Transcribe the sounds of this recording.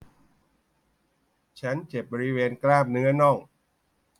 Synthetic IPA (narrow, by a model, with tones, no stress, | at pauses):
t͡ɕʰa˦˥nt͡ɕe˨˩p̚bɔː˧ɾi˦˥weː˧nklaː˥˩p̚nɯ˦˥ɐnɔ˥˩ŋ